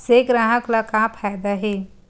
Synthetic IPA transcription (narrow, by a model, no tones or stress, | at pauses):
seɡɾaːɦəklakapʰaːjd̪aɦeː